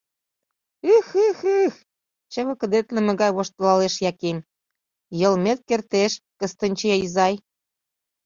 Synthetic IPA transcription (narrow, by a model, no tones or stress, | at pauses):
ɯxɯxɨx | t͡ɕə̆βə̆kə̆d̪et̪lə̆mĕɣɑjβoʃt̪əlɑleʃjɑkemʲ | jɤ̆lmet̪̚kert̪eʃkə̆st̪ə̆nʲt͡ɕeɑizɑj